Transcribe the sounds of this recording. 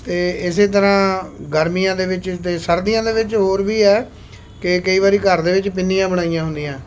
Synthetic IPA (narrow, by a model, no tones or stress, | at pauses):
t̪eːɪseːt̪̬əɾãːɡəɾmijãːd̪eːʋɪt͡ʃt̪eːsəɾd̪ijãːd̪eːʋɪt͡ʃɦoːɾbiːɛː | kɪkəiːʋaːɾiːkəɾd̪eːʋɪt͡ʃpɪnːijãːbəɽaːijãːɦʊ̃nd̪ijãː